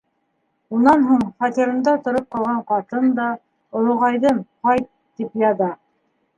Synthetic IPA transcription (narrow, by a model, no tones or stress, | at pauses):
unɑnɦuɴχɑt̪iɾɤ̆nd̪ɑt̪ŏɾop̚qɑlˠʁɑɴqɑt̪ɤnd̪ɑ | ŏlˠŏʁɑjðɤnqɑjt̪ːipjɑðɑ